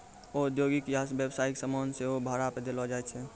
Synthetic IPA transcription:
oːɾd̪joɡikjasbjəbsaiksəmɔnseɦobʱaɾaped̪elɔd͡ʒaɛt͡ʃʰɛ

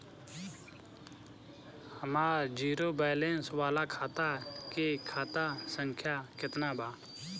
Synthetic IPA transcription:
həmaːd͡ʒiːɾoːbaːlẽnsʋaːlaːkʰaːt̪aːkekʰaːt̪asəŋkʰjaːkɪt̪naːbʱaː

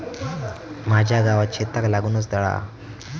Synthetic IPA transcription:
mad͡ʑʱjaɡaʋat͡ɕʰet̪aklaɡuːnəs̬d̪əɭa̰

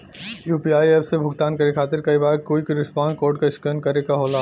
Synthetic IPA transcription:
juːpiaːieːpʰsebʱʊɡt̪aːnkɐɾekʰaːt̪ɪɾkɐibaːɾkoːikiɾɪspãːnɖkoːɾɖkaɪskenkɐɾekaɦoːlaː

